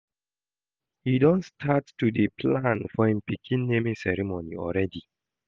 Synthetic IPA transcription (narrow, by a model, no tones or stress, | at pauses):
hidɔ̃nstʰattːudepʰlãnfɔhĩmpikʰĩnːemĩsɛɹimonḭɔ̰lɹɛdi